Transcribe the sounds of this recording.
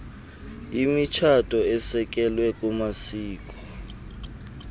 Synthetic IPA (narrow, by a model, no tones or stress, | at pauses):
imit͡ʃʰatʰʼɔɛsɛk̬ʼɛlwɛk̬ʼumasiːk̬ʼɔ̥